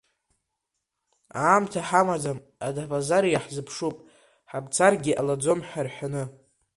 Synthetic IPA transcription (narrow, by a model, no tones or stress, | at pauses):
aːmtʰaħamad͡zam | adabazaɾijaħzɨpʰʂupʼ | ħabt͡sʰarɡʲiʔalad͡zo̞mħarħʷᶣanɨ